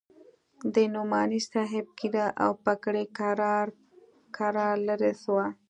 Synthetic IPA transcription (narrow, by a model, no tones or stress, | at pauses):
d̪ənumɑnisɑɦɪb̚kid̪aʔa̰wpakɽekɾɾ | kʰaɾɑɾləɾeswa